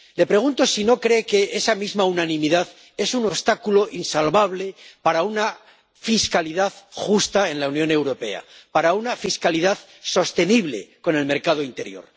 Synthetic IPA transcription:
le̞pɾe̞ɣunt̪o̞sino̞kɾe̞ːke̞ʔesamizmaunanĩmiðað | e̞suno̞βst̪akulo̞ʔinsalβaβ̞le̞paɾauna | fiskaliðaðxust̪ae̞nlaunjõ̞ne̞wɾo̞pe̞̰a̰paɾaunafiskaliðað | so̞st̪e̞niβle̞̰ko̞ne̞lme̞ɾkað̞oint̪e̞ɾjo̞̰ɾ

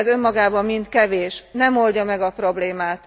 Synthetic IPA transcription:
zø̞mːɒɡaːbɒmmint̪kɛveːʃnɛmo̞lɟɒmɛɡɒpro̞bleːmaːt̪

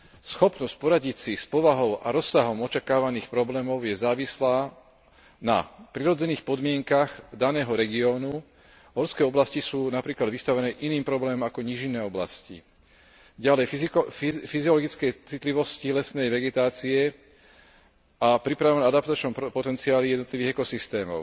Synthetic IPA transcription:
sxɔpnɔscpɔɾaɟicsispɔʋaɦɔʊʔaɾɔsːaɦɔmɔt͡ʃakaːʋaniːxpɾɔblɛːmɔʊjɛzaːʋislaː | na̰pɾiɾɔd͡zɛniːxpɔd̪mɪɛŋkaɣd̪anɛːɦɔɾɛɡiɔːnu | ɦɔɾskɛːɔblascisuːnapɾiːklad̪ʋist̪aʋɛnɛːʔiniːmpɾɔblɛːmɔmakɔɲiʒinːɛːɔbla̰scḭ | ɟalɛj | fiziɔlɔɡit͡skɛjt͡sit̪liʋɔscilɛsnɛjʋɛɡɛt̪aːt͡siɛ | apɾipɾaʋnad̪apt̪at͡ʃnɔmpɔt̪ɛnt͡siaːlijɛd̪nɔt̪liʋiːɣɛkɔsist̪ɛːmɔ̰ʊ

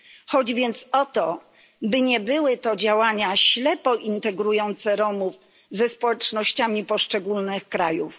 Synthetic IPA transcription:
xɔd͡ʑvʲjɛnt̪sɔt̪ɔ | bɘɲɛbɘwɘt̪ɔd͡ʑawaɲaɕlɛpɔʔint̪ɛɡɾujɔnt̪sɛɾɔmuf | zɛspɔwɛt͡ʂnɔɕt͡ɕamʲipɔʂt͡ʂɛɡulnɘxkɾajṵf

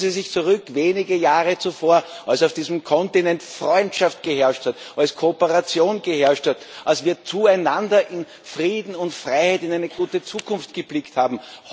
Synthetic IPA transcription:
zisɪçt͡suʁʏkveːnɪɡəjaːʁət͡sufoːɐalsaʊfd̥iːzm̩kʰɔntinɛntfʁɔʏntʃaft̚ɡ̥əhɛɐʃthat | alskʰoopəʁat͡sjoːnɡ̥əhɛɐʃthatʔalsv̥iːɐt͡suːæɪnandɐʔɪn | fʁiːdn̩ʊntfʁaɪhæɪtɪnæɪnəɡ̥uːtət͡suːkʰʊnftɡ̥əblɪkthaːbm̩h

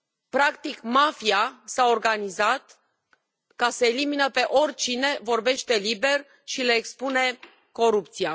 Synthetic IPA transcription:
pɾakt̪ikmafiasao̞rɡanizat̪ | kasəeliminəpe̞ʔo̞rʲt͡ʃine̞vo̞rbe̞ʃt̪e̞libe̞r | ʃileːkspune̞ | ko̞ɾupt̪sia

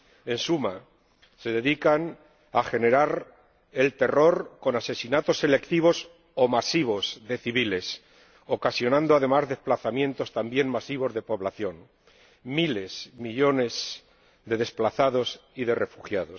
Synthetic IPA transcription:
e̞nsuma | se̞ðe̞ðikan | axe̞ne̞ɾaɾ | e̞lt̪e̞ro̞ɾko̞nase̞sinat̪o̞sːe̞le̞kt̪iβ̞o̞s | o̞masiβo̞zðe̞θiβile̞s | o̞kasjo̞nãnd̪oaðe̞mazðe̞splaθamjẽ̞nt̪o̞st̪ambje̞nmasiβ̞o̞zðe̞po̞βlaθjo̞n | mile̞smiʎo̞ne̞z | ðe̞ðe̞splaθaðo̞siðe̞refuxjaðo̞s

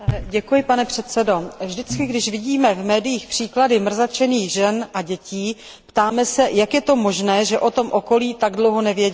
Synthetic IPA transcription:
ɟɛkujɪpanɛpr̝̥ɛt̪t͡sɛdo̞vʒdɪt͡skɪɡdɪʃvɪɟiːmɛvmɛːdɪjiːxpr̝̥iːkladɪmr̩zat͡ʃɛniːɣʒɛnʔaɟɛciː | pt̪aːmɛsɛjakjɛt̪o̞mo̞ʒnɛːʒɛʔo̞t̪o̞mʔo̞ko̞liːt̪aɡdlo̞wɦo̞nɛvjɛɟ

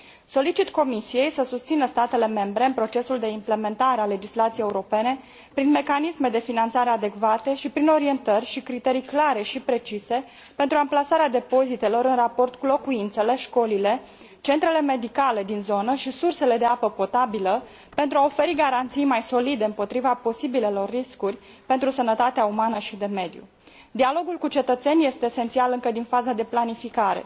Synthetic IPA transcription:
so̞lit͡ʃit̪ko̞misije̞jsəsust̪sinəst̪at̪e̞le̞me̞mbɾe̞ɨnpɾo̞t͡ʃe̞suld̪e̞imple̞me̞nt̪aɾeale̞d͡ʒislat̪sijejeuɾo̞pe̞ne̞ | pɾinme̞kanisme̞d̪e̞finant̪saɾe̞ad̪e̞kvat̪e̞ʃipɾino̞ɾie̞nt̪ərʲʃikɾit̪e̞ɾijklaɾe̞ʃipɾe̞t͡ʃise̞ | pe̞nt̪ɾuamplasaɾead̪e̞po̞zit̪e̞lo̞ɾɨnrapo̞rt̪kulo̞kuint̪se̞le̞ʃko̞lile̞ | t͡ʃe̞nt̪ɾe̞le̞me̞d̪ikale̞d̪inzo̞nəʃisurse̞le̞d̪e̞apəpo̞t̪abilə | pe̞nt̪ɾuao̞fe̞ɾiɡaɾant̪sijmajso̞lid̪e̞ɨmpo̞t̪ɾivapo̞sibile̞lo̞rːiskurʲ | pe̞nt̪ɾusənət̪at̪eaumanəʃid̪e̞me̞d̪jṵ | d̪ialo̞ɡulkut͡ʃe̞t̪ət̪se̞nʲje̞st̪e̞ːse̞nt̪sialɨŋkəd̪infazad̪e̞planifikaɾe̞̰

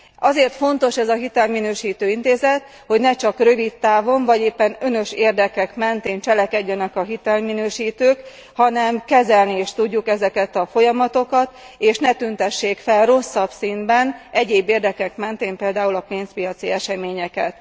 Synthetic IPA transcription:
ɒzeːrt̪fo̞nt̪o̞ʃɛzɒɦit̪ɛlminøːʃiːt̪øːint̪eːzɛt̪ | ho̞ɟnɛt͡ʃɒkrø̞vit̪ːaːvo̞mvɒɟeːpːɛnø̞nø̞ʃeːrd̪ɛkɛkmɛnt̪eːnt͡ʃɛlɛkɛɟːɛnɛkɒɦit̪ɛlminøːʃiːt̪øːk | hɒnɛmkɛzɛlnieːʃt̪uɟːukɛzɛkɛt̪ɒfo̞jɒmɒt̪o̞kɒt̪ | eːʃnɛt̪ynt̪ɛʃːeːkfɛlro̞sːɒbsind̪bɛnʔɛɟeːbːeːrd̪ɛkɛkmɛnt̪eːmpeːld̪aːulɒpeːnspijɒt̪siɛʃɛmeːɲɛkɛt̪

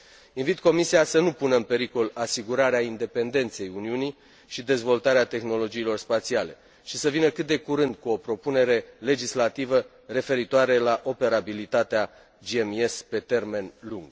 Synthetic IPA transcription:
invit̪ko̞misiasənupunəɨnpe̞ɾiko̞lasiɡuɾaɾeaind̪e̞pe̞nd̪e̞nt̪se̞juniuni | ʃid̪e̞zvo̞lt̪aɾeat̪e̞xno̞lo̞d͡ʒiːlo̞rspat̪siale̞ | ʃisəvinəkɨt̪̚d̪e̞kuɾɨnd̪̚kuo̞pɾo̞pune̞ɾe̞le̞d͡ʒislat̪ivə | re̞fe̞ɾit̪oaɾe̞laʔo̞pe̞ɾabilit̪at̪ea | d͡ʒieme̞spe̞t̪e̞rme̞nluŋɡ̥

